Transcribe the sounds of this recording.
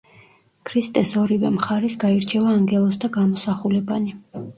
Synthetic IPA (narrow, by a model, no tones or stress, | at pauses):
kʰɾist̪ʼɛsɔɾivɛmχaɾisɡaiɾt͡ʃʰɛvaːŋɡɛlˠɔs̬d̪aɡamɔsaχulɛbani